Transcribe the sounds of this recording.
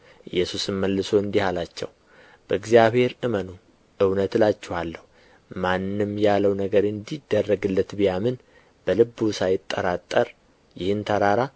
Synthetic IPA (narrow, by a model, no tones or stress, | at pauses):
ʔɨjːɛsusɨnməlːɨso̞ɨnd̪ihalat͡ʃːɛ̰w | b̥əɨɡzijaβhe̞ɾʔɨmənu | ʔɨwnət̪lat͡ʃːɛhalːəhu | manːɨmjalːəwnəɡəɾɨnd̪id̪ːərːəɡɨlːət̪bɨjamɨn | b̥əlɨbːusajɪt̪ʼːə̰ɾat̪ʼːəɾ | jɪhɨnt̪ʰəɾaɾa